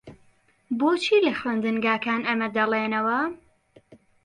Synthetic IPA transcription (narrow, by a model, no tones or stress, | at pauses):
boːt͡ʃʰiːlɐxweːnd̪ɨnɡaːkaːnɐmɐd̪ɐleːnɐwɐ